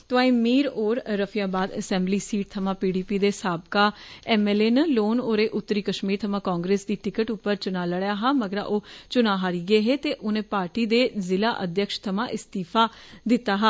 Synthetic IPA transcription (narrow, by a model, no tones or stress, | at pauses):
t̪ʊãːĩːmiːɾoːɾːəpʰijaːbaːd̪əsɛ̃ːmbliːsiːʈ̚t̪ʰəmãːpiːɖiːpiːd̪eːsaːbkaːɛːmeːleːnəloːnoːɾeːʔʊt̪ːɾiːkəʃmiːɾt̪ʰəmãːkaːŋɡɾeːsd̪iːʈɪkəʈʊpːəɾt͡ʃʊnaːləɽjaːɦaːməɡəɾa̰ʔoːt͡ʃʊnaːɦaːɾiːɡeːɦeːt̪eːʔʊnẽːpaːɾʈiːd̪eːzɪlaːʔə̰d̪jəkʃt̪ʰəmãːʔɪst̪iːpʰaː | d̪ɪt̪ːaːɦaː